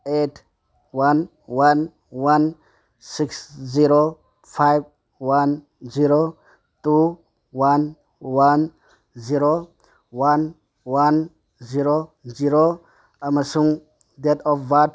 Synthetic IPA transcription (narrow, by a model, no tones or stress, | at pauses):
etʰ | wan | wan | wan | siksziɾo | fʰajv | wan | ziɾo | t̪u | wan | wan | ziɾo | wan | wan | ziɾoziɾo | ɐmɐsuŋ | d̪et̪ɔfvat̪